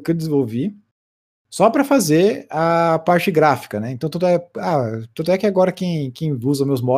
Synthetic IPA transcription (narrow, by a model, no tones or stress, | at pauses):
kewd̪ɪzĩvowvi | sɔpɾɐfazeɾapaɾt͡ʃɪɡɾafi̥kɐnɛẽt̪ɐ̃w̃t̪ud̪ʊɛat̪ud̪ʊɛkɪaɡɔɾɐkẽj̃kẽj̃uzɐmewzmɔ